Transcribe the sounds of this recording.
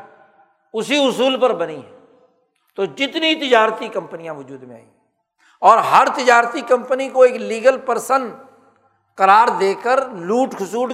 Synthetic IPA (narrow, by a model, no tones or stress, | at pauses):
ʊsiʊsuːlpɐɾbɐniɦɛ | t̪od͡ʒɪt̪nit̪ɪd͡ʒaːɾt̪ikɐ̃mpənijãʋʊd͡ʒuːd̪mẽa̰ːi | ɔːɾɦɐɾt̪ɪd͡ʒaːɾt̪ikɐ̃mpənikoeːkliːɡəlpəɾsən | kɐɾaːɾd̪eːkəɾluːʈkʰʊsuːʈ